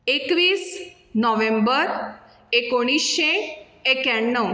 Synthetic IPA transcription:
ekʋiːs | nɔʋẽmbəɾ | ekoɽ̃isɕeː | kjaɳːəw

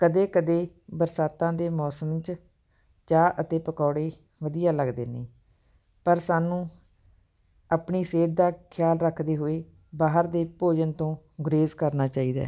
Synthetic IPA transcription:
kəd̪eːkəd̪eː | bəɾsaːt̪ãːd̪eːmɔːsəmt͡ʃ | t͡ʃaːʔət̪eːpəkɔːɽeː | ʋəd̪ɪjaːləɡd̪eːnḛ̃ː | pəɾsaːnũː | apɳiːseːd̪̚d̪aːkʰjaːlɾəkʰd̪eːɦoːeː | baːɦəɾd̪eːpoːd͡ʒənt̪õː | ɡʊɾeːzkəɾnaːt͡ʃaːiːd̪a̰ː

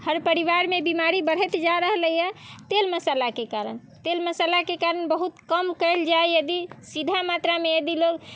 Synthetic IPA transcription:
həɾpəɾiʋaɾmebimaɾibəɽ̤ət̪d͡ʒaɾəɦləijɛt̪elməsalakekaɾən | t̪elməsalakekaɾənbəɦut̪kəmkəld͡ʒaejəd̪isid̪ʱamat̪ɾamejəd̪iloɡ

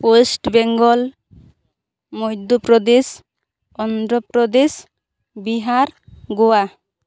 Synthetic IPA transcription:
osʈbɛŋɡɔl | mojd̪upɾɔd̪es | ɔnd̪ɾɔpɾɔd̪es | biɦaɾɡowa

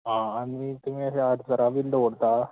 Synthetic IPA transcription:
ɦãːɽ̃it̪um̤iːəɕeəɾd͡zəɾaʋiːlɖoɽt̪a

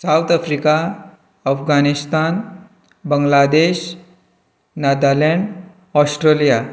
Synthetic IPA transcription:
sawt̪afɾika | əfɡanist̪an | bəŋɡlad̪eɕ | nad̪alɛɳɖ | ɔsʈɾelija

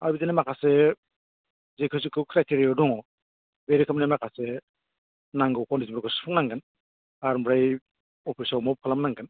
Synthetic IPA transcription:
aɾbizanemakʰase | zekʰɯs̬ikʰɯkʰɾajtʰeɾiɔdɔŋɔ | beɾikʰamnamakʰase | naŋɡɯwkʰɔwnizimɾaɡɯspʰuŋnaŋɡan | aɾmbɾaj | ɔpʰisawmɔp̚kʰalamnaŋɡan

